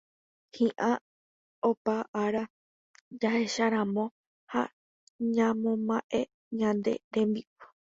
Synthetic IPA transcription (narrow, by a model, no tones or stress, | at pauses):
hĩʔã | opaʔaɾa | d͡ʒahe̞ʃaɾãmõ̞ | ha̰ | ɲãmõmãʔe̞ | ɲãnd̪e̞̰ɾẽ̞mbiʔu